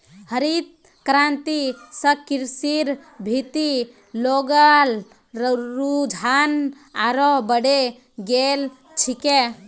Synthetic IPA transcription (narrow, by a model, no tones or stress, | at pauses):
həɾit̪̚ | kɾant̪isəkiɾsiɾbʱit̪i | loɡəlː | ɾud͡ʒʱan | aɾobəɽe | ɡel | t͡ʃʰike